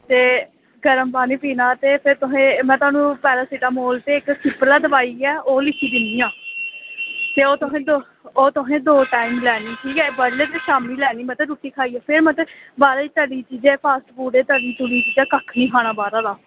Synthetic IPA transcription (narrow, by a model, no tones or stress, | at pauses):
t̪eː | ɡəɾəmbaːniːpiːnaːt̪eːpʰɪɾt̪ʊɦẽːmɛ̃ːt̪ʊwaːnũːpɛːlaːsiːʈaːmoːlt̪eːɪksɪplaːd̪əʋaːiːɛːoːlɪkʰiːd̪ɪnd̪iːãː | t̪eːoːt̪ʊɦẽːd̪o | oːt̪ʊɦẽːd̪oːʈaːimlɛːniːʈʰiːkɛːbəɽleːt̪eːʃaːmiːlɛːniːmɛ̃ːt̪eːɾuːʈiːkʰaːiːɛːpʰɪɾmɛ̃t̪ebaːɾaːiːt̪əɖiːt͡ʃiːd͡ʒɛːpʰaːsʈpuːɖeːt̪əɖiːt̪uɽiːt͡ʃiːd͡ʒɛːkəkʰnĩːkʰaːɽ̃aːbaːɾaːd̪aː